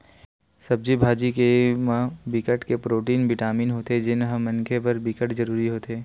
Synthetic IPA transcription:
sɐb̚d͡ʒibʱaːd͡ʒikemãbɪkəʈkepɾoːʈiːnʋɪʈaːmiːnɦoːt̪ed͡ʒɪnɦəmɐ̃nkʰepɐɾbɪkəʈd͡ʒɐɾuːɾiɦoːt̪eː

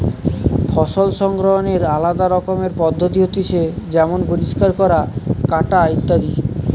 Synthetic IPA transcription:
fʰɔʃolʃɔŋɡɾoɦoneɾalad̪aɾɔkomeɾpɔd̪ʱːot̪iɦot̪iʃed͡ʑɛmonpoɾiʃkaɾkɔɾakaʈait̪ːad̪i

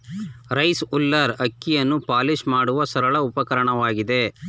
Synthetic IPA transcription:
ɾɐjsulːɐɾɐkːijɐnːupaːliʃmaːɽuʋɐsɐɾɐɭɐupɐkɐɾɐɳɐʋaːɡid̪e̞

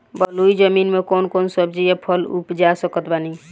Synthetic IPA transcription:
bəluid͡ʒəminmekoːnkonsəbd͡ʒiepʰəlṵpd͡ʒasəkət̪bani

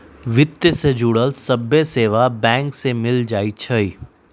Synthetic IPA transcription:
ʋɪt̪jəsed͡ʒuːɽəlsɐbeseːʋabɛ̃ːŋksemɪld͡ʒaːit͡ʃʰɐiː

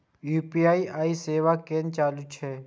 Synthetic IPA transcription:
juːpiaːiaːiːseːʋaːkeːnt͡ʃaːlut͡ʃʰeː

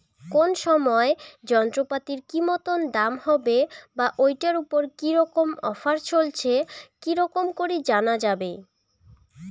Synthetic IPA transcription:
konʃɔmɔed͡ʑɔnt̪ɾopat̪iɾkimɔt̪ond̪amhɔbebaʔojʈaɾupoɾkiɾɔkomɔfaɾt͡ɕolt͡ɕʰekiɾɔkomkoɾid͡ʑanad͡ʑabe

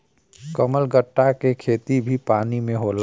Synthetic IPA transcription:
kəməlɡəʈːakekʰeːt̪ibʱipaːnimẽɦoːl

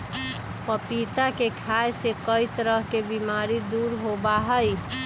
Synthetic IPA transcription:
pəpit̪akekʰajsekəjt̪ɾəɦkebimaɾid̪uɾɦobaɦəj

